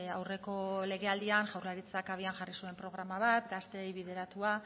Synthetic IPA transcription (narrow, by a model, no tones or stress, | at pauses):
awre̞ko̞le̞ɣ̞e̞ald̪ianʝawɾlaɾit͡sakaβ̞ianʝarisue̞mpɾo̞ɣ̞ɾamaβ̞at̪ɡast̪e̞jβið̞e̞ɾat̪ua